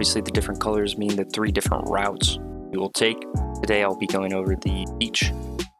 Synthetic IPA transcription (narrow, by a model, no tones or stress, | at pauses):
bviəsliðɨdɪfɹə̃nkʰʌlˠə˞zmĩnðɨt̪̚θɹidɪfɹə̰̃nʔɹa̰ʊts | ɨwɪlˠtʰeɪktʰɨdeɪaɪlˠbiɡoʊɪ̃ŋoʊvə˞ðɨbit͡ʃ